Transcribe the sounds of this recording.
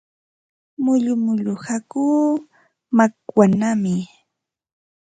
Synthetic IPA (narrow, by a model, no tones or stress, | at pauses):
mʊʎʊmʊʎʊhakuː | makwanamɪ